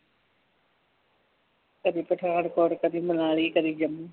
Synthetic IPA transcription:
kəd̪iːpəʈʰaːnkɔːɽkəd̪iːmənaːliːkəd̪iːd͡ʒəmuː

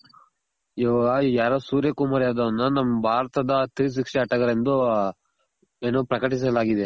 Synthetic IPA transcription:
iajaːɾosuːɾjɐkumaːɾjaːd̪ɐʋɐnːɐnɐmːɐbʱaːɾɐt̪ɐd̪ɐt̪is̬ʋikʂɛɐʈɐɡɐɾend̪u | eːnoːpɾɐkɐʈis̬ɐlaːɡid̪e

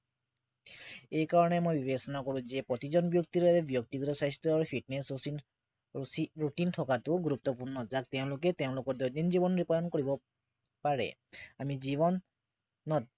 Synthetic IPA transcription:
ejkaɹɔnɛmojbibesɔnakɔɹʊ̃zɛpɹɔt̪izɔnbjɔk̚tiɾaɾɛbjɔk̚tiɡɔtɔsajstɹɔɹpʰiʈ̚nes | ɹutintʰɔkatʊɡuɾup̚t̪ɔpuɹnɔzak̚tɛʊ̃lʊkɛtɛʊ̃lʊkɔɹd̪ɔdinzibɔnɹipɔdɔnkoɹibɔ | paɹɛ̰ | amizibɔnː | ɔt̚

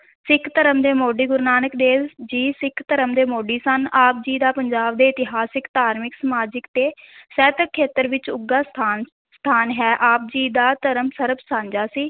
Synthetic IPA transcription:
sɪkʰt̪əɾəmd̪eːmoːɖiːɡʊɾnaːnəkd̪eːd͡ʒiːsɪkʰt̪əɾəmd̪eːmoːɖiːsənaːp̚d͡ʒiːd̪aːpəɲd͡ʒaːb̚d̪eːɪt̪ɪɦaːsɪkt̪aːɾmɪksəmaːd͡ʒɪkt̪eːsɛːt̪əkʰːeːt̪əɾʋɪt͡ʃʊɡaːst̪ʰaːn | st̪ʰaːnɦɛːʔaːp̚d͡ʒiːd̪aːt̪əɾəmsəɾəpsãːɲd͡ʒaːsiː

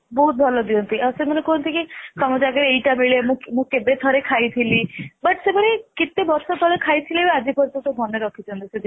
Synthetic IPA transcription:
bɔɦut̪̚bʱɔlɔd̪iɔnt̪iʔasemɔnekɔɦɔnt̪ʰikisɔmɔd͡ʒaɡɔɾejʈamiɭemũmũkebet̪ʰɔɾekʰajt̪ʰilibəʈsebɔɾikit̪ːebɔɾsɔt̪ʰɔɭekʰajt̪ʰilebead͡ʒipɔɾt̪ut̪obʱɔneɾɔkʰit͡ʃʰɔnt̪ised̪i

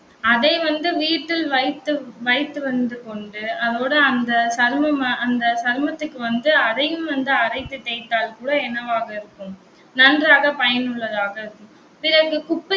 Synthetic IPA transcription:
ɐðɐɪʋɐnd̪ɯʋiːʈːɪlʋɐɪt̪ːɯʋɐɪt̪ːɯʋɐnd̪ɯkɔɳɖɯɐðoːɽɐɐnd̪ɐsɐɾmɐmɐɐnd̪ɐsɐɾmɐt̪ːɯkːɯʋɐnd̪ɯɐðɐjɯmʋɐnd̪ɯɐɾɐɪt̪ːɯt̪ːɛɪt̪ːaːlkuːɽɐɛnɐʋaːɣɐɪɾɯkːɯm | nɐndraːɣɐpɐjɐnɯɭːɐðaːɣɐɪɾɯkːɯm | pɪɾɐɣɯkʊpːɪ

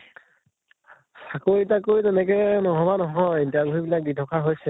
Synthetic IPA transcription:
sakoɹitakojtɛnɛkɛnɔɦɔbanɔɦɔjtiaɡoɹibilak̚bitʰɔkʰaɦojsɛ

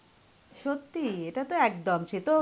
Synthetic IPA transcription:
ʃot̪ːieʈat̪oɛk̚d̪ɔmt͡ʃet̪o

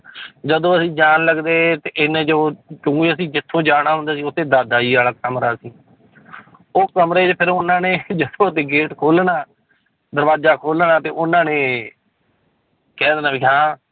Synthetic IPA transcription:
d͡ʒəd̪õːəsĩːd͡ʒaːnləɡd̪eːt̪eːʔɪnẽːd͡ʒoot͡ʃʊ̃ːɡeːəsĩːd͡ʒɪt̪ʰːõːd͡ʒaːɽaːɦʊ̃nd̪aːsiːʊt̪ʰːẽːd̪aːd̪aːiːaːlaːkəmɾaːsĩː | oːkəmɾeːt͡ʃpʰɪɾʊnãːneːd͡ʒəd̪õːd̪eːɡeːʈkʰoːlnaː | d̪əɾbaːd͡ʒaːkʰoːlnaːt̪eːʊnːãːneː | kɛːd̪eːnãːbiːɦãː

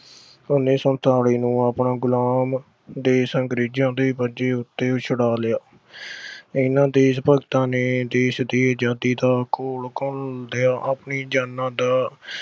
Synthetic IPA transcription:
ʊneːsənt̪ʰaːɽiːnũːapnaːɡʊlaːm | d̪eːsəŋɡɾiːd͡ʒãːd̪eːbəd͡ʒeːʊt̪ːeːt͡ʃʰəɽaːlɪjaː | ɪnãːd̪eːspəɡt̪ãːneːd̪eːʃd̪iːd͡ʒaːd̪iːd̪aːkoːlkɔnd̪ejaːʔapniːd͡ʒaːnːãːd̪aː

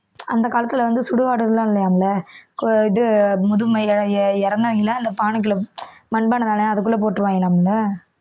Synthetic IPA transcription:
ɐ̰nd̪ɐkaːlɐt̪ːɯlɐʋɐnd̪ɯsʊɽɯɣaːɽɯðɯlãːɪlːɐjaːmɐlɐkɪðɯmʊðɯmɐɛɾɐnd̪ɐʋɐŋɡɪlːɐɐnd̪ɐpaːɳɯk̬ːɪlɐmɐnbɐːnːɐnd̪aːnɐɐðɯkːɯlːɐp̬oːʈːɯʋaːŋɡɪlaːmɐlːɐ

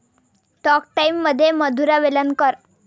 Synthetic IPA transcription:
ʈɔk̚ʈaimːəd̪ʱːjeməd̪ʱuɾaʋelənkəɾ

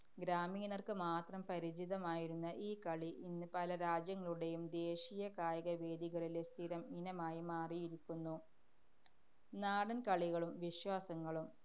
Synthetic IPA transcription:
ɡɾaːmiːnɐrkɨmaːt̪rɐmpɐɾid͡ʑiðɐmaːjiɾunːɐʔiːkɐɭiʔinːɨpɐlɐɾaːd͡ʑjɐŋːɐɭuɽe̞jumd̪e̞ːɕijɐkaːjɐɣɐʋe̞ːd̪iɣɐɭilest̪ʰiɾɐminɐmaːjimaːrijiɾikʲːunːu | naːɽɐnkɐɭiɣɐɭumʋiɕwaːsɐŋːɐɭum

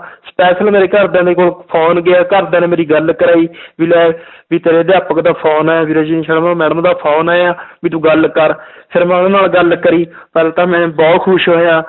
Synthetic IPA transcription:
spɛːsəlmeːɾeːkəɾd̪ẽːd̪eːkoːlpʰoːnɡɪaːkəɾd̪ẽːnẽmeːɾiːɡəlkəɾaːiːʋilɛːʋiːt̪eːɾeːd̪eːaːpəkd̪aːpʰoːnaːaːbiːɾoːd͡ʒiːnĩːʃəɽəmaːmɛːɽəmd̪aːpʰoːnaːjaːʋiːt̪ũːɡəlkəɾpʰɪɾmɛ̃ʊd̪eːnaːlɡəlkəɾiː | pɛːlːt̪ãːmɛ̃ːbɔːt̪kʰʊʃɦoːejãː

